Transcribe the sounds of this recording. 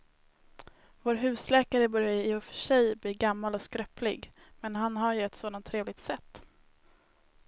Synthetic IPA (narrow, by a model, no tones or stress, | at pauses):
voːɾɦʉ̟ːslɛːkaɾəbœɾjaəʊfœ̥ʂɛjbliːɾɡamːalɔskɾœpʰlɪ̰ɡmɛnɦanɦaɾjɵɛt̪soːd̪ant̪ʰːɾeːvlɪɡ̚t̪sɛt̪ː